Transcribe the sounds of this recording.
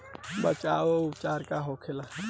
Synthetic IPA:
bət͡ʃaːoʊpt͡ʃaːɾkaɦoːkʰela

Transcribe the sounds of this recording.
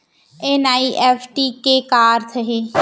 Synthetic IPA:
enaːiʔɛːpʰʈikekaːɾt̪ʰəɦeː

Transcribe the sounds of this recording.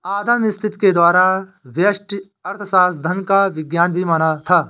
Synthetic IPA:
aːd̪əmɪst̪ʰɪt̪ked̪waːɾaʋjɐʃʈ | ɐɾt̪ʰsaːsd̪ʱənkaʋɪɡjaːnbʱimanat̪ʰaː

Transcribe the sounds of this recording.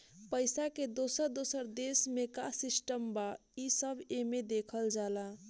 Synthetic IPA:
pəɪsaked̪osəɾd̪osəɾd̪esmekasisʈəmba | isəbʱemed̪ekʰəld͡ʒala

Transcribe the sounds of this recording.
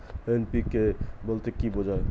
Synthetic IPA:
enpikːebolt̪ekibod͡ʒae

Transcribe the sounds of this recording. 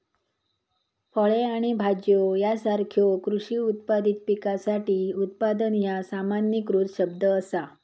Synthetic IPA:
fəɭeaɽ̃ibʱad͡ʑjojasaɾkʰjokɾuʂiːut̪̚pad̪it̪̚pikasaʈiːut̪̚pad̪ənjasamanjəkɾuːtɕəb̚d̪əːsa

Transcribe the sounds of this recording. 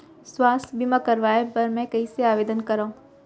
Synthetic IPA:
swaːst̪ʰbimãkɐɾʋaːepɐɾmɛ̃kɐiseaːʋeːd̪ənkɐɾaũ

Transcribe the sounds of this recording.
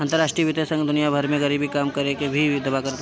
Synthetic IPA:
ɐ̃nt̪əɾaːʃʈɾijəʋɪt̪esɐ̃ŋɡd̪ʊnijabʱɐɾmẽɡɐɾiːbʱikaːmkɐɾekebʱid̪ɐbakɐɾt̪

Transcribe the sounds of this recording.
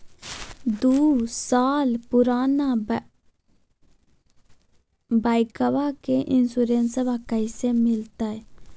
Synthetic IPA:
d̪uːsaːlpuɾaːna | baːjkɐʋakeʔinsuɾeːnsɐʋakɐjsemɪlt̪ae

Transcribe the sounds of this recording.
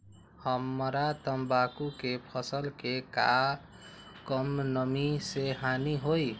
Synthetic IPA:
həmːɾat̪əmbakukepʰʌsəlkeka̰ | kʌmnʌmiseɦaniɦoj

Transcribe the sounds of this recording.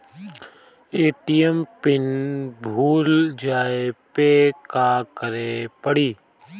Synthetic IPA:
eːʈijəmpɪnbʱuːld͡ʒaːepekakəɾepəɽiː

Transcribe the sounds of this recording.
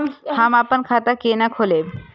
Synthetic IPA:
hamapənkʰat̪akenakʰoleb

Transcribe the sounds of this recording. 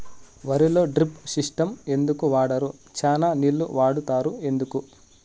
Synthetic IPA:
ʋɐɾilo̞ːɖɾipsiʂʈɐme̞nd̪ukuʋaːɽɐɾut͡ʃaːnaːnilːuʋaːɽut̪aːɾue̞nd̪uku

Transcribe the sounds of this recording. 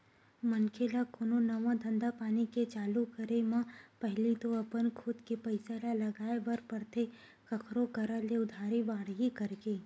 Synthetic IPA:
mənkʰelakononɐʋãd̪ʱɐ̃nd̪apaːniket͡ʃaːlukəɾemãpɛɦlit̪oɐpənkʰʊd̪kipɐɪselalɐɡaːebɐɾpɐɾt̪ʰe | kɐkʰɾokɐɾaleʊd̪ʱaːɾibaːɽɦikɐɾɡeː

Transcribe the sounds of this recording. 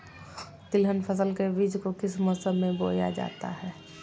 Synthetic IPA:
t̪ɪlɦənpʰəsəlkebiːd͡ʒkokɪsmɔːsəbmẽbo̰ːja̰d͡ʒa̰ːt̪a̰ɦɛː

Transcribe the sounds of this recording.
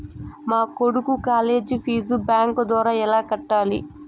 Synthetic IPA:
maːkoɽukukaːle̞ːd͡ʒipʰiːzubaːŋkd̪ʋaːɾaːɛlaːkɐʈːaːlḭ

